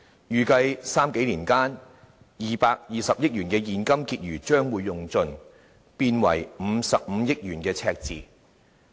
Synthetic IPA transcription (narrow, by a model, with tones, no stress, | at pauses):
jyː˨˩kɐ˧jsaː˥mke˨˥jliː˨˩nkaː˥n | jiː˨paː˧k̚jiː˨˧sɐ˨p̚jɪ˥k̚jyː˨˩nkɛː˧jiː˨˧nkɐ˥mkiː˧t̚jyː˨˩t͡ʃœː˥ŋwuː˨˧jːʊ˨ŋt͡sɵ˨n | piː˧nwɐ̰˨˩jm̩˨˧sɐ˨p̚m̩˨˧jɪ˥k̚jyː˨˩nkɛː˧t͡sʰɛː˧k̚t͡sḭː˨˩